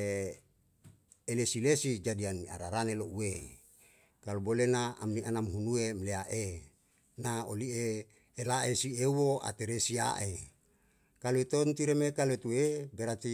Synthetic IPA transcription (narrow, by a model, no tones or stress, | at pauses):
elesilesid͡ʒadiania̰ɾaɾaneloue | kalubolenaa̰mniʔanamɦunuemleaʔe | nao̰lieː | laʔesiewoʔa̰t̪eɾesia̰ʔe | kaluet̪ont̪iɾemekalet̪uebeɾat̪i